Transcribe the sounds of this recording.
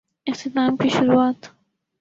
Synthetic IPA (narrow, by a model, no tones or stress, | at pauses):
ɪft̪ʰɪt̪aːmkiʃʊɾuaːt̪